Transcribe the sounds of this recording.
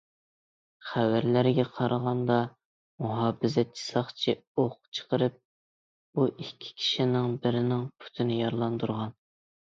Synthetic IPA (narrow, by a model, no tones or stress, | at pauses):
χæwæɾlæɾɡʲɛqʰɑɾəʁɑnd̪ɑ | muɦɑːbɪzɛt̪̚t͡ʃʰi̥sɑχt͡ʃʰioχt͡ʃʰə̥qəɾɨp̚ | buʔikʲʰːi̥kʲʰi̥ʃinɪŋbɪɾɪnɪŋpʰy̥t̪ʰɪnɪjɑɾlˠɑnd̪uɾʁɑn